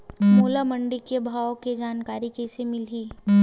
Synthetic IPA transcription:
moːlamə̃ɳɖikebʱaːwked͡ʒaːnkaːɾikesemɪliː

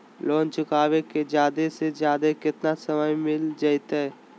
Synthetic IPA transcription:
lɔ̃ːnt͡ʃʊkaːweked͡ʒjaːd̪esed͡ʒjaːd̪ekɪt̪nasəməjmɪld͡ʒaːɪt̪ɦɛː

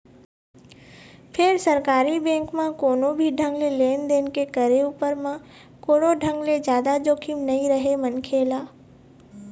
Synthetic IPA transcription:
pʰɪɾsɐɾkaːɾibɛ̃ːŋkmãkoːnõbʱiɖʱə̃ŋɡleleːnd̪eːnkekəɾeuːpəɾmã | koːɽoɖʱə̃ŋɡled͡ʒjaːd̪ad͡ʒoːkʰimnɐĩɾəɦemɐnkʰeːlaː

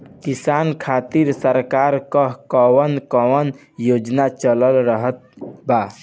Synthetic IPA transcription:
kisankʰat̪iɾsəɾkaɾkəɦkəwənkəwən | jod͡ʒnat͡ʃələlɾəɦət̪̚ba

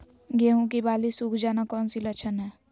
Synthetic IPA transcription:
ɡeːɦũk̬ibaːlisuːkʰd͡ʒaːnakɔːnsilət͡ʃʰənɦɛː

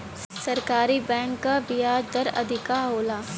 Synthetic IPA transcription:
sɐɾkaːɾibɛ̃ːŋkːabɪjaːd͡ʒd̪ɐɾɐ̰d̪ʱɪkaːɦoːlaː

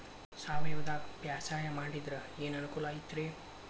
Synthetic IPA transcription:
saːʋɐjɐʋɐd̪aːpjaːsaːjɐmaːɽid̪ɾɐeːnɐnukuːlait̪ːɾe

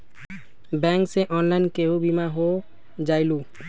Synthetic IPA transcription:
bɛŋkseʔɔnlajnkeobimaɦo | d͡ʑajlu

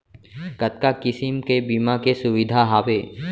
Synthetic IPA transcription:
kɐt̪̚kakɪsɪmkebimakesʊʋɪd̪ʱaɦaːʋe

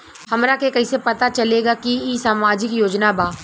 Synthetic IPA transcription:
hɐmɾakekɐisepɐt̪at͡ʃɐleːɡakiisaːmaːd͡ʒɪkjoːd͡ʒnabaː

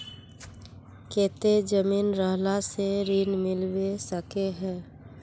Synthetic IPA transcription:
keːt̪ed͡ʒəmiːnɾəɦlaseɾiːnmɪlwesəkeɦɛː

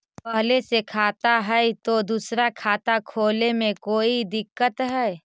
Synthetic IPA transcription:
pɛɦlesekʰaːt̪aɦɛt̪od̪uːsɾakʰaːt̪akʰoːlemẽkoːid̪ɪkːət̪ɦɛː

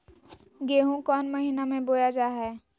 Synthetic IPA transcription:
ɡeːɦũkɔːnmɐɦinamẽboːjad͡ʒaːɦɛː

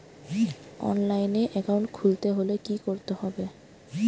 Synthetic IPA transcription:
ɔ̰nlajneʔɛkawɳʈkʰult̪eɦolekikoɾt̪ehɔbe

